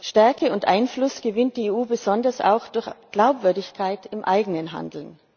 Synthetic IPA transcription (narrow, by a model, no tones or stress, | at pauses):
ʃtɛɐkəʊntʔaɪnflʊsɡ̥əvɪnt̚d̥iːeːuːbəzɔndɐsa̰ʊxd̥ʊɐçɡ̥laʊpv̥ʏɐdɪçkʰaɪtɪmʔaɪɡənənɦa̰ndl̩n